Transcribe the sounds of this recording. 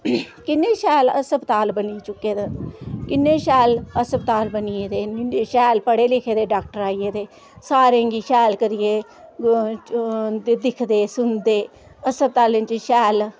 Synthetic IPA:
kɪnːeːʃɛːləsəpt̪aːlbəniːt͡ʃʊkːeːd̪kɪnːeːʃɛːləsəbt̪aːlbənieːd̪eːnɪɖeːʃɛːlpəɽeːlɪkʰeːd̪eːɖaːk̚ʈəɾaːijeːd̪eː | saːɾẽːŋɡiːʃɛːlkəɾɪeː | d̪ed̪ɪkʰd̪eːsʊnd̪eː | əsəb̚t̪aːlɪ̃nt͡ʃʃɛːl

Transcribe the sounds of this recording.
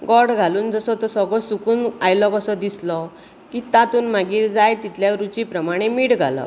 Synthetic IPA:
ɡɔɽɡʱaluːnd͡zəsɔt̪ɔsɔɡɭɔsukuːnajlɔkəsɔd̪islɔ | kit̪at̪uːnmaɡiːɾd͡zajt̪it̪ljaɾut͡ɕipɾəmaɽ̃emiːɽɡʱa̰lɔ̰

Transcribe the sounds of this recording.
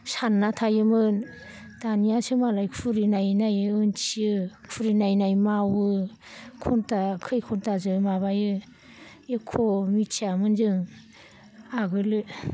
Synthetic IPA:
sanːatʰajɯmɯn | danijasɯmalajkʰuɾinajnajɯɯnt͡ʃʰiɯkʰuɾinajnajmawɯ | kʰɔntakʰɯjkʰɔntazɯmaβajɯ | ekʰomit͡ʃʰiamɯnzɯŋ | aɡɯlɯ

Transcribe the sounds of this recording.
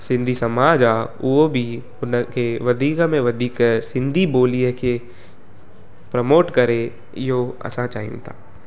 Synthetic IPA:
sɪ̃nd̪ʱisɐmaːd͡ʒauobʱi | ʊnkeʋɐd̪ʱiːkmẽʋɐd̪ʱiːksɪ̃nd̪ʱiboːlijəke | pɾɐmoːʈkɐɾe | joɐ̰sãt͡ʃaːɦḭnt̪ʰaː

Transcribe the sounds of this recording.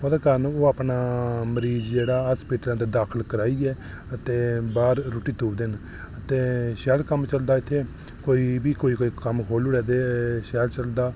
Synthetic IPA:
əd̪aːkəɾnũːoːapnaːməɾiːzd͡ʒeːɽaːɦəspiːʈələ̃nd̪əːd̪aːkʰəlkəɾaːiːɛː | ət̪ẽːbaːɾːoʈiːt̪uːd̪ɪn | ət̪eːʃɛːlkəmt͡ʃəld̪aːɪt̪ʰːeː | koːiːbiːkoːiːkoːiːkəmkʰoːluːɽɛːd̪eːʃɛːlt͡ʃəld̪aː

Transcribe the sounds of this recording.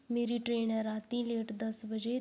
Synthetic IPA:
meɾiːʈɾeːnəɾat̪ĩːleːʈd̪əsbəd͡ʑe

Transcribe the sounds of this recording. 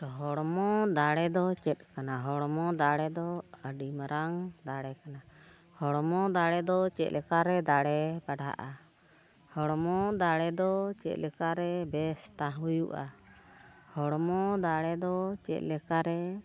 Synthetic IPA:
ɦɔɽmɔd̪aɽɛd̪ɔt͡ʃɛt̪̚ˀkanaɦɔɽmɔd̪aɽɛd̪ɔəɖimɾaŋd̪aɽɛkana | hɔɽmɔd̪aɽɛd̪ɔt͡ʃɛt̪̚lɛkaɾɛd̪aɽɛbaɖa̰ʔa | hɔɽmɔd̪aɽɛd̪ɔt͡ʃɛ̰t̪̚ˀlɛkaɾɛbɛst̪aɦujuʔa̰ | hɔɽmɔd̪aɽɛd̪ɔt͡ʃɛ̰t̪̚ˀlɛkaɾɛ

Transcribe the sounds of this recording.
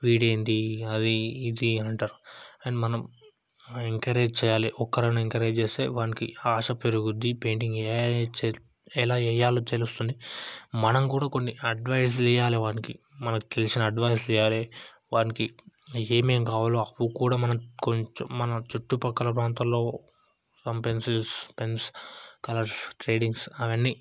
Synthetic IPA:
ʋiːɽejnd̪iɐd̪iːd̪iɐɳʈaːɾuɐjnimɐnɐm | eŋkɐɾe̞ːd͡ʒt͡ʃɛːjaːliʔɔkːɐɾɐnueŋkɐɾeːd͡ʒt͡ʃeːst̪ḛːʋaːnikiaːʂɐpeɾuɡud̪ːipe̞ːɳɖiŋɡɛt͡ʃː | ɛlaːɛjaːlot͡ʃ̪elust̪und̪imɐnɐmkuːɽaːko̞nːiɐɖʋɐjs̬lɛjaːleʋaːniki | mɐnɐki̥t̪e̞lisinɐːɖʋɐjslɛjaːle | ʋaːnikieːmeːmkaːʋaːloɐʋukuːɽaːmɐnɐkoɲt͡ʃmɐnɐt͡ʃuʈːupɐkːɐlɐp̬ɾaːnt̪ɐmlo̞ː | sɐmpe̞nsilspe̞nskɐlɐɾsʈɾe̞ːɖiŋɡsɐʋɐnːiː

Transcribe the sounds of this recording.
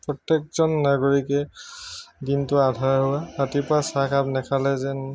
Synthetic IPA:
pɹɔtːek̚zɔnːaɡoɹikɛ | dintʊadʱajɦuwaɦatipasakʰapnɛkʰalɛzɛn

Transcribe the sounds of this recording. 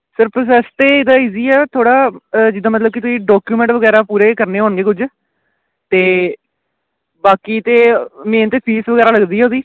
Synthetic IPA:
səɾpɾoːs̬ɛːst̪eːɪd̪ãːiːziːɛːt̪ʰoːɽaːd͡ʒɪd̪ãːmət̪ləb̚kɪt̪ʊsĩːɖɔːkjuːmɛ̃ɳʈʋəɡɛːɾaːpuːɾeːkəɾneːɦoːnɡeːkʊd͡ʒ | t̪eː | baːkiːt̪eːmẽːnt̪eːpʰiːsʋəɡɛːɾaːləɡd̪iːɛoːd̪iː

